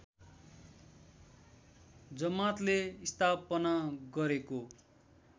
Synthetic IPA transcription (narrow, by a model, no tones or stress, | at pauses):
d͡zʌmat̪leist̪ʰapʌnaɡʌɾeko